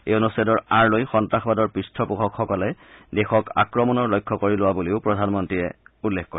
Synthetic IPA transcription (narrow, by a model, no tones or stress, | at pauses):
eonusadɔɹaɹlojxɔntaxɔbadɔɹpɹistʰɔpukʰɔkxɔkɔlɛdexɔka̰kɹɔmɔnɔɹlojkʰːɔkoɹilʊwabuleʊpɹɔdʱanmɔntɹiɛ̰ulːekːkɔɹɛ